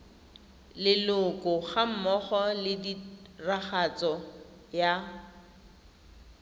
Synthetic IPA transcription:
lɪlʊkʼʊχam̩mɔχɔlɪdiraχat͡sʼɔ | ja

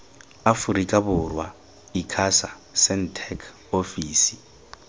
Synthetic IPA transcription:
afuɾikʼabʊrwa | ikʰasa | sɛn̩tʰɛkʰ | ofiːsi̥

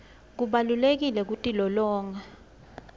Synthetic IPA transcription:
k̬uɓalulek̬ilɛk̬utʼilɔlɔːŋa

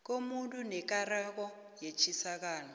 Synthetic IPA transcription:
k̬ʼomuntʼunɛkʼarak̬ɔ | jet͡ʃʰisak̬aːnɔ

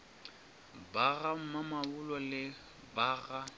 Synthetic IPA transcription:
baɣam̩mamabʊlɔlɪ | baːɣa

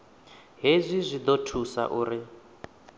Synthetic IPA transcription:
ɦezʷizʷid̪otʰusa̰ʔuːɾi

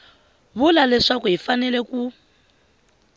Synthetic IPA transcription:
βulalɛʂakuɦifanɛlɛku

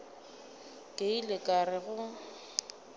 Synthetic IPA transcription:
kʼeilɪkʼarɪɣʊ

